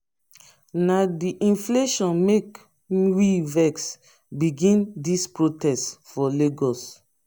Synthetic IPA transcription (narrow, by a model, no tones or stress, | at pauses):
nadiʔĩnfleʃɔ̃nmek | wivɛks | biɡĩndispɹotɛstfɔleɡɔs